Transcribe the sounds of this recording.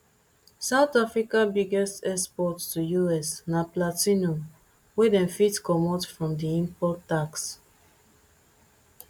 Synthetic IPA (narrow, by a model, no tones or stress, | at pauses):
saʊtafɹikabiɡɛstɛspɔtstʰujuɛsnaplatino | wɛdɛ̃nfitkɔmɔtfɹɔ̃mdiĩmpɔtːaks